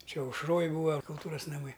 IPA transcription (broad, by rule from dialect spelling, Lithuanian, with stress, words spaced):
ˈt͡ʃʲɛ ɐʊʃˈroːj ˈbuːɐ kʊlˠˈtuːrɐs nɐˈmɐɪ